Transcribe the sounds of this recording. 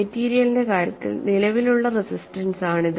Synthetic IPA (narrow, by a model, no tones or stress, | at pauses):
etːiːɾijɐlinde̞kaːɾjɐt̪ːḭlnilɐʋiluɭːɐrisisstɐnsaːɳið